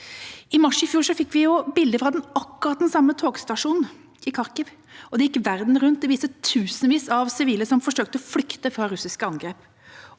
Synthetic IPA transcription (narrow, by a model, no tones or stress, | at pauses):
ɪmɑʂɪfjuːɾʂɔfɪkːʋɪjʊbɪld̪əfɾɑd̪ɛnɑkːʉɾɑt̪̚d̪ɛnsɑmːət̪ʰoːɡst̪ɑʂuːnn̩ | ɪkʰɑɾkəʋ | ɔd̪ɛjɪkːʋæɾd̪n̩ɾʉnt̪̚d̪ɛʋiːsət̪ʰʉːsnʋiːsɑʋsɪʋiːləsɔmfɔʂøːkt̪əɔflʏkt̪əfɾɑːɾʉsɪskəɑnɡɾeːp